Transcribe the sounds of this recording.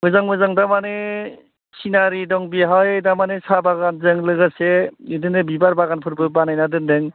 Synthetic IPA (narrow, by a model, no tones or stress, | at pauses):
mɯzaŋmɯzaŋdamane | sinaɾidɔŋbiɦajdamanesabaɡanzɯŋlɯɡaseɯdɯnɯbibaɾbaɡanpʰɯɾbɯbanajnadɯndɯŋ